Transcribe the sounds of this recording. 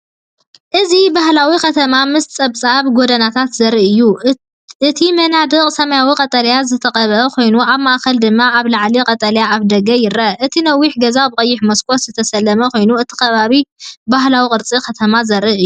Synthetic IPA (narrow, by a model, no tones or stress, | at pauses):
ʔɨzibahlawikʰɐt̪ʰɐmamɨst͡sʼɐβt͡sʼaβɡod̪ɐnat̪ʰat̪zɐɾiɨjːu | ɨt̪ʰimɐnad̪ɨqʼsɐmɐjawiqʼɐt̪ʼɐljazɨt̪ʰɐxʼɐβɐkʰo̞jnuʔaβmaʔkɐld̪ɨmːaaβlaʕliqʼɐt̪ʼɐljaaβd̪ɐɡɐjɪɾɐʔɨt̪ʰinɐwːiħɡɐzabɨkʼɐjːɪħmoskʰo̞t̪z̥ɨt̪ʰɐsɐlːɐmɐkʰo̞jnuɨt̪ʰi̥kʰɐβaβibaɦlawikʼɨɾt͡sʼikʰɐt̪ʰɐmazɐɾiɨjuː